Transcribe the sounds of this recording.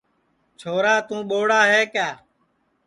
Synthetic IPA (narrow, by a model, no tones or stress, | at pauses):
t͡ʃʰoːɾaːt̪ũːɓoːɽaːɦeːkjaː